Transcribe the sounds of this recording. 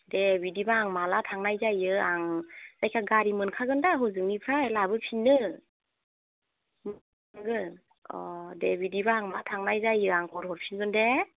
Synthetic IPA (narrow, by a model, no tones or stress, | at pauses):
debidibaːŋmalatʰaŋnajzajɯaŋz̥ajkʰaɡaɾimɯnkʰaɡɯndaɦɔzɯŋnipʰɾajlabɯpʰinːɯ | m | ŋɡɯn | ɔ̰debidibaːŋmatʰaŋnajzajɯaŋkʰɔɾhɔɾpʰinɡɯnde